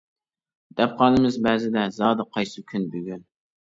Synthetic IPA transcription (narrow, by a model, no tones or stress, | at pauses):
d̪̥ɛp̚qʰɑːnɨmɪzbɛːzɪd̪ɛzɑːd̪ɨqʰɑjsɨkʲʰynbyɡʲyn